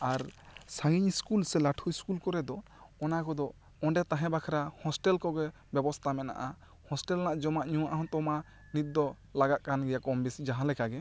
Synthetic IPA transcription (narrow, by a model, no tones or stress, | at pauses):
aɾsãŋɡiɲskulsɛlaʈʰuiskulkɔɾɛd̪ɔ | ɔnakɔd̪ɔ | ɔ̃ɖɛt̪aɦɛ̃bakʰɾahɔsʈɛlkɔɡɛ | bɛbɔst̪ʰamɛna̰ʔa | hɔsʈɛlnaʔd͡ʒɔmaʔɲuwaʔaɦɔ̃t̪ɔma | nit̪̚d̪ɔ | laɡat̪̚kanɡɛjakɔmbisid͡ʒaɦãlɛkaɡɛ